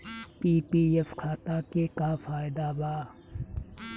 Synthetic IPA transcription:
piːpiːefkʰaːt̪aːkekafaːɪd̪abaː

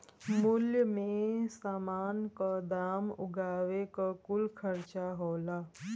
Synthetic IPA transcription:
mʊljəmẽsaːmaːnkad̪aːmʊ̰ɡaːʋekakʊlkʰəɾt͡ʃaɦoːlaː

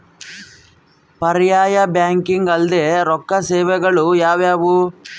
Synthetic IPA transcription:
pɐɾjaːjɐbjaːŋkiŋɡɐld̪eːɾɔkːɐsɛːʋɛɡɐɭujaːʋjaːʋu

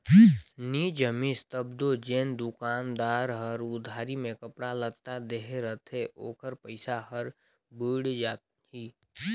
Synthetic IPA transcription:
niːd͡ʒəmist̪əbd̪od͡ʒeːnd̪ʊkaːnd̪aːɾɦəɾʊd̪ʱaːɾimẽkəpɽalət̪ad̪eɦeɾət̪ʰeʔoːkəɾpəɪsaɦəɾ | bəːɽd͡ʒaːt̪ | ɦiː

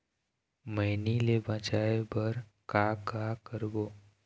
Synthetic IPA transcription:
məɦnilebãːt͡ʃaːebəɾkaːkɦakəɾboː

